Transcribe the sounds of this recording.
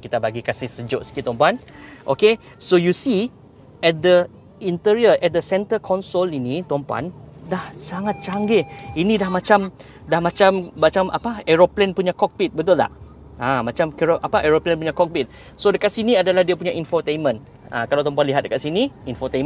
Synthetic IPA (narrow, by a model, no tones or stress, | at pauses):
kit̪abaɡikasɪhsəd͡ʒʊʔsə̥kit̪ɔmpɔanʔo̰ke | sojusi | ɛt̪̚d̪ə | int̪iɹiəʔɛt̪̚d̪əsɛnt̪əkʰɔnsolinit̪ɔmpɔa̰ndahsaŋat̪̚t͡ʃaŋɡeinĩdahmat͡ʃam | dahmat͡ʃamːat͡ʃamʔa̰paɛɹoplɛnpuɲakɔk̚bit̪̚bət̪ʊlːa̰h | ãmat͡ʃamkɛɹoʔapaʔɛɹoplɛ̃npuɲakɔk̚bit̪̚ | sodəkat̪̚siniadalahdiapuɲaʔinfɔt̪ejnmə̃n | ã̰kalawt̪ɔ̃mp̬ɔanliɦat̪̚dəkat̪̚siniinfɔt̪em